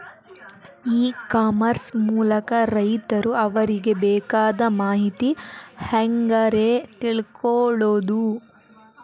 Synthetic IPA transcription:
iːkaːmɐɾsmuːlɐkɐɾɐjt̪ɐɾuɐʋɐɾiɡe̞bɛːkaːd̪ɐmaːɦit̪ihɐŋɡɐɾet̪iɭkʰɔɭoːd̪u

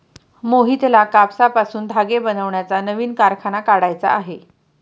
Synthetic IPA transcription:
moɦiːt̪lakapsapasuːnd̪ʱaɡebənəʋɳjat͡sanəʋiːnkaɾkʰanakaɽajt͡sa̰ʔːɦe

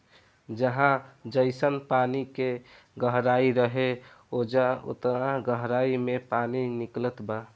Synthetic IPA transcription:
d͡ʒəɦãd͡ʒəɪsənpanike | ɡəɦɾaiɾəɦe | od͡ʒaʊ̰t̪ɾaɡəɦɾaimepaniniklət̪ba

